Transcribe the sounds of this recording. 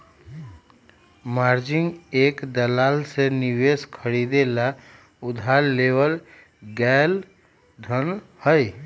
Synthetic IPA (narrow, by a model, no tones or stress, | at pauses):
maːɾd͡ʒɪ̃ŋɡeːkd̪əlaːlsenɪweːskʰəɾiːd̪ela | ʊd̪ʱaːlːeːʋəl | ɡɛːl | d̪ʱənhəi